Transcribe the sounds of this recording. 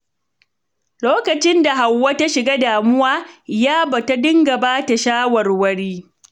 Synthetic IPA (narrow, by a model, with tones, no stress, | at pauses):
loː˦kɐ˨t͡ʃɪ˦nda˨ɦa˨wːɐ˦ta˦ʃɪ˨ɡaː˦daː˨mʊ˦waː˦jaː˦bɐ˨ta˦dɪ˦ŋɡɐ˨baː˦ta˨ʃaː˦wɐ˨rwɐ˦ɽiː˦